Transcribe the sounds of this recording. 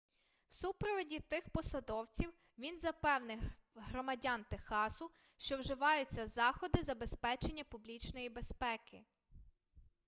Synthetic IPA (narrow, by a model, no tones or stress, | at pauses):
wsupɾɔʋɔdʲit̪ɪxpɔsɐd̪ɔwt͡sʲiw | ʋʲinzɐpɛwnɪɦɾɔmɐdʲɑnt̪exɑsʊ | ʃt͡ʃɔwʒɪʋɑjʊt͡sʲːɐzɑxɔd̪ɪzɐbe̞spɛt͡ʃe̞nʲːɐpublʲit͡ʃnɔjibespɛkɪ